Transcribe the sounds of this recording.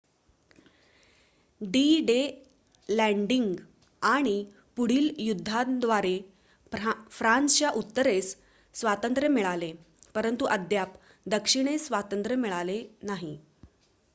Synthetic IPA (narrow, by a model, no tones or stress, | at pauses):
ɖiɖe | læɳɖiŋɡ | aɽ̃i | puɽ̤iːljud̪ʱːad̪ʋaɾe | fɾansə̥t͡ɕjaʔut̪ːəɾesː | ʋat̪ənt̪ɾəmiɭale | pəɾənt̪uʔəd̪ʱjap | d̪əkʂiɽ̃esʋat̪ənt̪ɾəmiɭalenaɦi